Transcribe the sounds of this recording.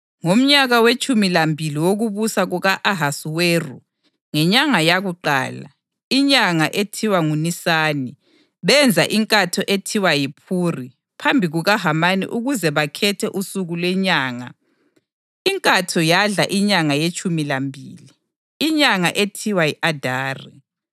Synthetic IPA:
ŋom̩ɲaɣawet͡ʃʼumilambʱiliwoɣuβusaɣuɣaʔaɦasuweːrṵ | ŋɛɲaŋajaɣuǃa̰ːla̰ | iɲaŋaʔetʰiwaŋunisaːni | βɛnd͡zʱaʔiŋkʼatʰɔʔetʰiwajipʰuri | pʰambʱiɣuɣaɦamanḭʔuɣuzɛβakʰɛtʰɛʔusuɣulwɛɲaːŋa̰ | iŋkʼatʰɔjaɮa̰ʔiɲaŋajet͡ʃʼumilambʱḭliː | ɲaŋaʔetʰiwajiʔadʱaːrḭ

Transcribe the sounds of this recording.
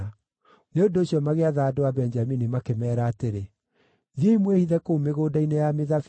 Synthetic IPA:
neondooɕjɔmaɣeaðaːdowabɛnd͡ʒaminimakemɛːɾaːteɾe | ðieimwehiðɛkoumeɣoːdainejameðaf

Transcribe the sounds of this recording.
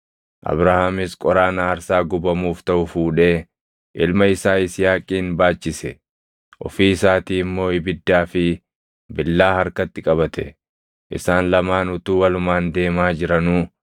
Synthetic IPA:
ʔɐ̰bɾahaːmɪskʼɔɾaːnɐːɾsaːɡʊbɐmuːft̪ɐʔʊfuːᶑe̞ː | ʔɪlmɐɪsaːɪsɪjaːkʼːiːnbaːt͡ʃːɪsɛ | ʔɔ̰fiːsaːt̪iːɪmːo̞ːɪbɪd̪ːaːfɪ | bɪlːaːhɐɾkɐt̪ːɪkʼɐβɐt̪ɛ | ʔɪ̰saːnlɐmaːnʊt̪uːwɐlʊmaːnd̪e̞ːmaːd͡ʒɪɾɐnuː

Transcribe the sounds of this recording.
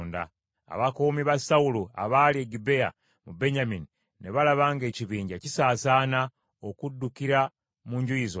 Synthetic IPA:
nda̰ | a̰βakoːmiβasaulua̰βalie̞ɡibe̞a̰ | mube̞ɲamini | ne̞βalaβaːŋɡe̞ːciβiːɲɟacisaːsaːna | okudːukiɾa | muɲɟuizo

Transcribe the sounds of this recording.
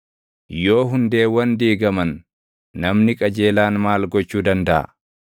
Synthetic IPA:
jo̞ːɦʊnd̪e̞ːwɐnd̪iːɡɐmɐnː | ɐmnɪkʼɐd͡ʒe̞ːlaːnmaːlɡɔt͡ʃːuːd̪ɐnd̪ɐʔɐ̰

